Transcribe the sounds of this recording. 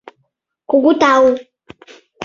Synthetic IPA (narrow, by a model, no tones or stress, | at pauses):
kuɡutau